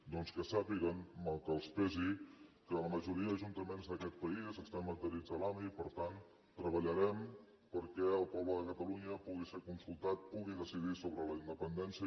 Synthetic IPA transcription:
d̪ɔnskəsapiɣənməlˠkəːlˠspɛzikələməʒuɾiəðəʒunt̪əmenzd̪əkɛt̪̚pəizəst̪amːənt̪əɾid͡zðəlamipəɾt̪an | t̪ːɾəβəʎəɾɛm | pəɾkɛəlˠpɔβləðəkət̪əluɲəpuɣiseɾkunsulˠt̪at̪̚puɣiðəsiðisoβɾələind̪əpənd̪ɛnsiə

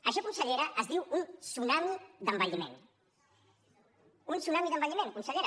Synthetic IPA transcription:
aʃɔkunsaʎeɾɐʔːzðiwunsunamid̪ambaʎimḛ̃n | unsunamiðɐmbaʎimẽnŋkunʃaʎeɾ

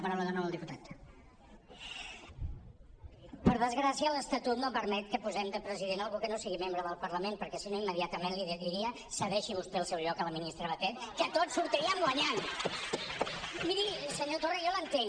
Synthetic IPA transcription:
pɾawləðənolˠd̪iput̪at̪ | pəɾðəzɣɾasiələst̪ət̪ut̪nopəɾmɛt̪̚kəpuzɛmd̪əpɾəziðenalˠɣukənosiɣimembɾəðəlˠpəɾləmenpəɾkɛsinoiməðiat̪əmenliððiɾiə | səβɛʃiβust̪eəlˠsɛwʎɔkələminist̪ɾəβət̪ɛt̪kət̪otsuɾt̪iɾiəmɡwəɲan | miɾisəɲot̪orəjɔlənt̪eŋ

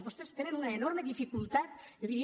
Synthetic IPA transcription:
bost̪est̪eɾenunaeno̞ɾme̞ðifikult̪at̪ɣi

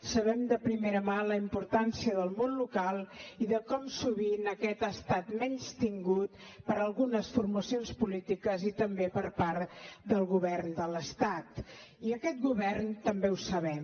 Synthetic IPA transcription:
səβɛmd̪əpɾimeɾəmaləimpuɾt̪ansiəðəlˠmonlukalˠiðəkɔmsuβinəkɛt̪əst̪at̪mɛnst̪iŋɡut̪̚pəɾəlˠɣunəsfurməsionspulit̪ikəzit̪əmbepəɾpaɾd̪əlˠɣuβɛrnd̪ələst̪at̪ | iəkɛt̪̚ɡuβɛrnt̪əmbeusəβɛm

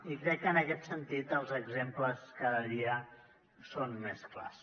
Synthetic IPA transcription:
ikɾɛkːənəkɛt̪sənt̪it̪əlˠzəɡzempləskaðəðiə | sonmeskla̰s

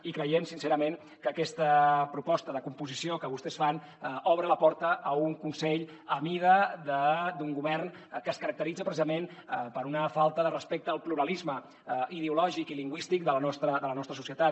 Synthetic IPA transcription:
ikɾəjemsinseɾəmen | kəkɛst̪əpɾupɔst̪əðəkumpuzisiokəβust̪ɛsfan | ɔβɾələpɔɾt̪əːuŋkunsɛʎ | əmiðəd̪əd̪uŋɡuβɛrn | kəːskəɾək̚t̪əɾid͡zəpɾəsizəmenpəɾunəfalˠt̪əðərəspek̚t̪əːlˠpluɾəlizmə | iðeulɔʒikiliŋɡwist̪ik̚d̪ələnɔst̪ɾəd̪ələnɔst̪ɾəsusiət̪at̪

